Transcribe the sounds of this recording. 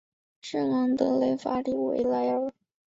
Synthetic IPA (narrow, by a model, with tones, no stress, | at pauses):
ʂə˥˩ŋɑ˧˥ŋt̪ɤ˧˥le˧˥ɪfa˧˥li˧˥wḛ˧˩ɪla˧˥ɪə˨˩